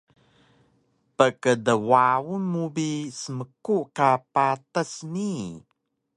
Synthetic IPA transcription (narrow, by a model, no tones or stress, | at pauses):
pəkədəwawunmubisəməkuʔkapatəsni